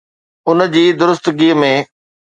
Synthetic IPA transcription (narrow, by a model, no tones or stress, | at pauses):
ʊnəd͡ʑiːd̪ʊɾʊst̪ɡiːəmẽ